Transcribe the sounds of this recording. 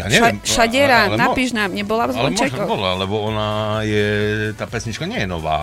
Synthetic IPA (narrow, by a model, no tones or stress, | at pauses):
ja̰ːɲɛmʃaɟɛɾalnapiːʒnaːmɲɛbɔlavzlɔnt͡ʃɛkɔbɔlalɛbɔɔnajɛt̪aːpɛsɲit͡ʃkaɲɛjɛnɔ̰ʋa̰ː